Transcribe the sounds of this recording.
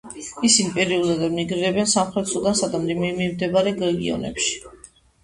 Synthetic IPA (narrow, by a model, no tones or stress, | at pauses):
isinipʼɛɾiulˠɛd̪ɛniɡɾiɾɛbɛnsamχɾɛt̪sɔɡansad̪amd̪imimimd̪ɛbaɾɛɡɛɡiɔ̰nɛ̰pʃi̥